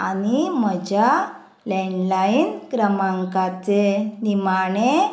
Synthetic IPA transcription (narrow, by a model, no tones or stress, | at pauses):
a̰niməd͡ʑa | lɛɳlainkɾəmaŋkat͡senimaɳe